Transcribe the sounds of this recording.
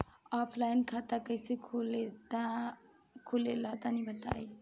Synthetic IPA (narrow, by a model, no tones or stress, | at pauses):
ɔpʰlajnkʰat̪akəjsekʰulet̪a | kʰulelʌt̪anibʱət̪a̰j